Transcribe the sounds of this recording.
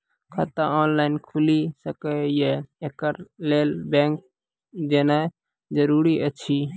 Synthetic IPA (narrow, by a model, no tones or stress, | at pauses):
kʰət̪aɔːnlaɪnkʰulisəkəjeekəɾlelbẽŋk̚ | d͡ʒena | d͡ʒəɾuɾiʔət͡ʃʰi